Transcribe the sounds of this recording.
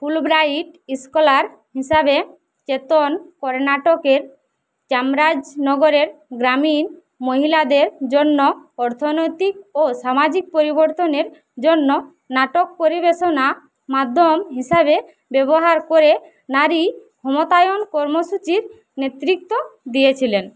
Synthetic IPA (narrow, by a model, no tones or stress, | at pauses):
pʰulbɾaiʈiskɔlaɾ | ɦisabe | t͡ʃet̪onkɔɾnaʈɔkeɾ | t͡ʃamɾad͡ʒnɔɡɔɾeɾɡɾamin | moɦilad̪eɾd͡ʒonːɔɔɾt̪ʰonojt̪ik̚osamad͡ʑik̚poɾiboɾt̪oneɾ | d͡ʑonːo | naʈok̚poɾibeʃona | mad̪ʱːomɦisabe | bɛboɦaɾkoɾe | naɾikʰɔmot̪ajonkɔɾmoʃut͡ɕiɾ | net̪ɾik̚t̪od̪ijet͡ɕʰilen